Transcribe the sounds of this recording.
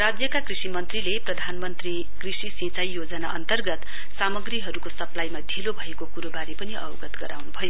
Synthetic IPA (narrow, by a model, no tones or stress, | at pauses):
rad͡zjʌkakrisimʌnt̪rileprʌd̪ʱanmʌnt̪ri | krisisĩt͡sajjod͡zʌnaʔʌnt̪ʌrɡʌt̪ | samʌɡriɦʌɾukosʌplajmad̪ʱilobʱʌekokuɾobaɾipʌniʔʌ̰wɡʌt̪ɡʌɾawnubʱʌjo